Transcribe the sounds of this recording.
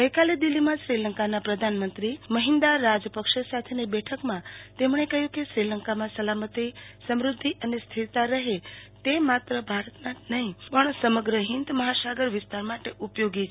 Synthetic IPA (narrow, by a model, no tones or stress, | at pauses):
ɡəjkaled̪ilːimãʃɾiləŋkanapɾəd̪ʱanmənt̪ɾiməɦɪnd̪aɾːad͡ʒpəkʃesat̪ʰenebɛʈʰəkmãt̪emɳekəɦjũkeʃɾiləŋkamãsəlamət̪isəmɾʊd̪ʱːiʔənest̪ʰiɾt̪aɾəɦet̪emat̪ɾəbʱaɾət̪nanəɦĩpəɳsəməɡɾəɦɪnd̪məɦasaɡəɾʋɪst̪aɾmaʈeʔupjoɡit͡ʃʰ